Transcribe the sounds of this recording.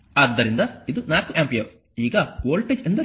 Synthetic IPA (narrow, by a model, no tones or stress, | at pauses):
ɐd̪ːɐɾind̪ɐid̪unaːkuʔaːmpijɐɾ | iːɡɐboːlʈeːd͡ʒend̪ɐ